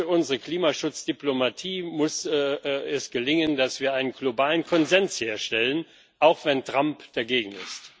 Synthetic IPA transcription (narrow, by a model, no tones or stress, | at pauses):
ʊnzəʁəkl̥iːmaʃʊt͡sd̥iplomatʰiːmʊs | ɛsɡ̥əlɪŋəndasv̥iːɐaɪnənɡlobaːlənkʰɔnzɛnsheːɐʃtɛlən | ʔaʊxv̥ɛntʁ̥ampd̥aɡeːɡŋ̩ɪ̰st